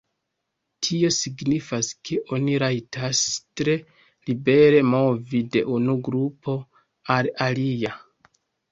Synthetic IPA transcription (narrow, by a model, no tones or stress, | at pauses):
tʰio̞siɡnifaskʰe̞ʔo̞niɾajtʰastɾe̞ | libe̞ɾe̞mo̞vide̞ʔunuɡɾupo̞ | alalija